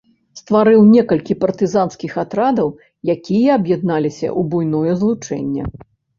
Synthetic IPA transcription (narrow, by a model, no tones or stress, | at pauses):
st̪vaɾɨwnʲɛkɐlʲkʲipɐrt̪ɨzanskʲixat̪ɾad̪ɐw | jakʲijɐɐbjɛd̪̚nalʲisʲɐ̰ʔubujnɔjɛzlˠut͡ʂɛ̰nʲːɛ̰